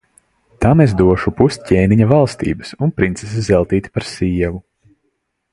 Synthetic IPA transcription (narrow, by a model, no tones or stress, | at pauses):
t̪amezd̪uɔʃupust̪ʲcʲɛːniɲavalˠst̪ḭːbɨsunpɾint̪ses̬zɛlˠt̪iːt̪i̥paɾsiːɛvu